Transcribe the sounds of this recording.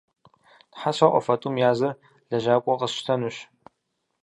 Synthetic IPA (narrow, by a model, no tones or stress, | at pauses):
tħaɕɐʔʷɔ̰fɐtʼumjaːzɐr | ɮɐʒaːkʷʼɔqəsʃtʰɐnuɕ